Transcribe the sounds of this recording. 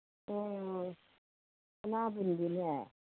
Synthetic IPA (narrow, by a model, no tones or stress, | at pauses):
o | anabundinɛ